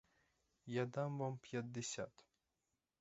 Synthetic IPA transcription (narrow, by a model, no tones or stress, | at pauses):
jad̪amvampʲjad̪ʲdʲɪsʲa̰t̪